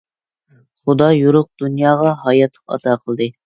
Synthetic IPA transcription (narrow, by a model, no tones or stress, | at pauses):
χud̪ɑjuɾʊq̚d̪unjɑːʁɑɦɑjɑt̪ʰːɨ̥pɑ̰t̪ʰɑːqʰəlˠd̪ɨ